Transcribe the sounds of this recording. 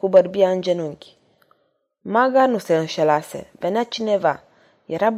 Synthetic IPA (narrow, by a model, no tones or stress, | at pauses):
kubəɾbiand͡ʒɛnuŋki̥ | maɡanusɛn̩ʃɛlasɛ̰vɛnat͡ʃinɛva | jaɾab